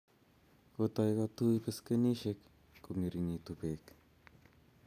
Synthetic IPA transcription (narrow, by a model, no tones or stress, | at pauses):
kot̪ajkat̪ujpeskeniʃek | komiɾinit̪upek